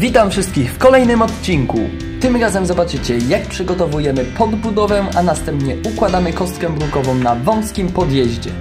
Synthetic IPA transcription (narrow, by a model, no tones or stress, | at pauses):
vʲit̪amfʂɘst̪kʲixfkɔlɛjnɘmɔt̪̚t͡ɕiŋkṵ | t̪ɘmɾazɛmzɔbat͡ʂɘt͡ɕɛjak̚pʂɘɡɔt̪ɔvujɛmɘpɔd̪bud̪ɔvɛanast̪ɛmpɲɛukwad̪amɘkɔst̪kɛbɾukɔvɔ̃w̃navɔ̃w̃skʲimpɔd̪jɛʑd͡ʑɛ